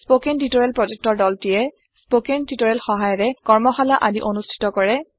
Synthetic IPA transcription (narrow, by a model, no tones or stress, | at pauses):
spokentitoɹɛlpɹɔd͡ʒek̚tɔɹdɔltijɛ | spokentitɔɹɛlxɔɦajɔɹɛkɔɹmɔxalaʔadiʔonustʰi̥tɔkɔɹɛ